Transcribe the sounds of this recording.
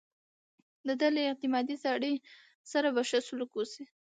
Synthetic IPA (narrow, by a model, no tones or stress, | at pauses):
d̪əd̪aleɪq̚t̪ɪmɑd̪izɑɽe | saɾabaʃasulakosi